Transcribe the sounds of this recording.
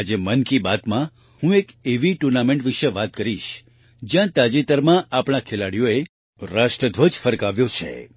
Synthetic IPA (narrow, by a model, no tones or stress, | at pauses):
ad͡ʒemənkibat̪mã | hũekeʋiʈuɾnamẽɳʈʋiʃeʋat̪̚kəɾiʃ | d͡ʒjãt̪ad͡ʒit̪əɾmãʔapɳ̃akʰelaɽijoe | ɾaʃʈɾəd̪ʱʋəd͡ʒfəɾkaʋjot͡ʃʰḛ